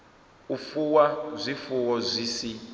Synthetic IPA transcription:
ufuwazʷifuwɔzʷiːsi

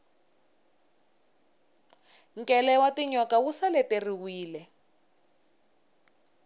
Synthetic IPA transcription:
ŋ̩kʼɛlɛwatiɲɔkawusalɛteriwiːlɛ

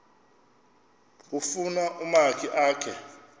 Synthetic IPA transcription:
k̬ufunaʔumakʰiʔaːkʰɛ

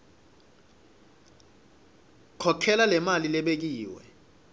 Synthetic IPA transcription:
kʰɔkʰɛlalɛmalilɛɓek̬iːwɛ̰

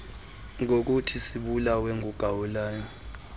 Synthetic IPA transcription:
ŋok̬utʰisiɓulaweŋuɡ̥ʱawulaːjɔ

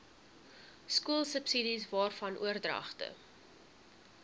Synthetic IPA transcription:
skuəlˠsəpsidisvɑːrfɐnʔuərdrɐ̰χtə̰

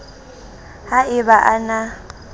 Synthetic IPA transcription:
haɪβaʔana

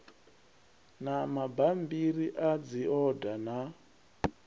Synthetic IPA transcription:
namabambiɾiʔad͡ziɔdana

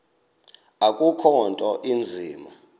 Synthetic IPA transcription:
akʼukʰɔntʼɔʔind͡zʱiːma

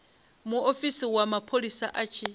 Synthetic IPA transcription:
muofisiwamapʰolisaʔat͡ʃʰi

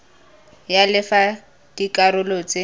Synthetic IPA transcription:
jalɪfa | d̥ikʼaɾʊlot͡se

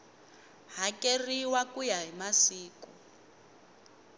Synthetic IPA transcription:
ɦakeriwakujaɦimasiːku

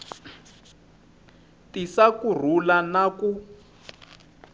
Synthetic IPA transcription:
tisakur̤ulanaku

